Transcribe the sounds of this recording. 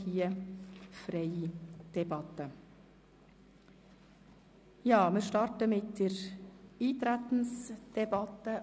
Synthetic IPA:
iːəfɾeɪd̪̥ɛbɑt̪ə | jɑːmiːʃtɑɾtəmɪt̪̚d̪̥ɛɾiːt̪ɾɛt̪n̩sd̪̥ɛbɑt̪ə

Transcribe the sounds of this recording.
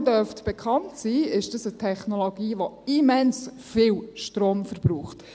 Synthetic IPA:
dœɾftb̥ɛkʰɑntsiːɪʃd̥əsətʰɛχnoloɡiːʋoimɛnsfɪwʃtroːmfəɾbɾuːχt

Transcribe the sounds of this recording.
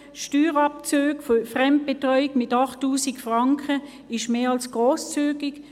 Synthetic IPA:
ʃtyːʁɑp̚t͡søːɡfofʁɛmt̚b̥etʁɔʏiɡmɪtɑχtːuːsikfʁɑŋkʰə | ɪʃmeːɑlsɡ̥ʁoːst͡syːɡɪk

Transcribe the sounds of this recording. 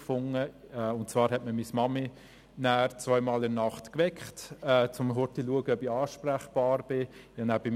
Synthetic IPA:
fʊŋəʊntt͡svɑːɾɦɛtməmismɑmi | næːɾt͡sʋœʏmɑːlɪɾnɑχtkʋɛkχtɛːt͡sʊmɦʊɾtiluəɡəœbiɑːʃpræχb̥ɑːɾb̥ɪjɑnæːb̥ɪm

